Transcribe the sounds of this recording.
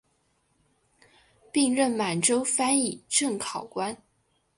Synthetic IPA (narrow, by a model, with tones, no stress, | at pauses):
pi˥˧ŋɻə˥˩nma˨˩nʈ͡ʂo˥ʊfa˥ni˨˩ʈ͡ʂɤ˥˩ŋkʰɑ˨˩ʊkwa˥n